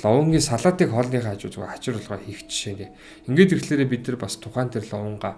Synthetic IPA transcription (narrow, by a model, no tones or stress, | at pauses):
ɮɔwə̆ŋɡʲiːsaɮʁə̆ːt̪iːkχɔɮniːχaːt͡ɕʊ̰ːt̪̆ɣṵjat͡ɕɪ̆ɾʊɮʁɔːxixt͡ɕʃeːneː | eŋɡeːt̪ixɮeːɾeːpit̪nɘ̆rpast̪ʰʊχæːnt̪ʰerɮɔwə̆ɴɢaː